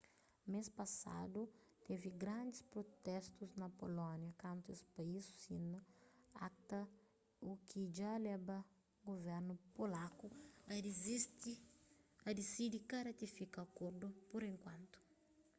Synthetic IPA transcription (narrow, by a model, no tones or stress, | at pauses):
mespɐsa̰d̪u | t̪eviɡɾãnd̪ɪspɾot̪ɛst̪uznɐpolɔ̃njɐkɐ̃nt̪uespɐisu̥sinɐakt̪ɐ | ukʰid͡ʒalɛbɐ | ɡovɛɾnupolaku | ɐd̪esid̪ikɐɾɐt̪ifikaɐkoɾd̪upoɾẽŋkwãnt̪u̥